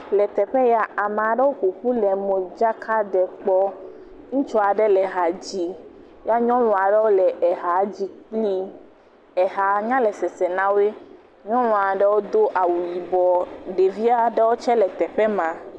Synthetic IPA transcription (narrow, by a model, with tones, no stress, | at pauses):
lɛ˨t̪ɛ˨ɸɛ˦ja˨a˨mẽ˨a˨ɖɛ˦wo˦ku˨ɸu˦lɛ˨mõ˨d͡ʒa˦kʰa˦ɖɛ˨k͡pɔ˦ | ŋũ˦t͡ʃɔ˦a˨ɖɛ˦lɛ˨ɦa˨d͡ʑi˦ | ja˦ɲɔ̃˦wɔ̃˨a˨ɖɛ˦wo˦lɛ˨ʔɛ˨ɦa˨d͡ʑi˦k͡pli˦ | ɛ˨ɦa˨ɲã˦lɛ˨sɛ˨sɛ˨nã˦we˦ | ɲɔ̃˦ñɔ̃˨a˨ɖɛ˦wo˦d̪o˦ʔa˨wu˨ji˨bɔ˨ɖe˨vi˦a˦ɖɛ˦wo˦t͡ʃɛ˦lɛ˨t̪ɛ˨ɸɛ˦mã˨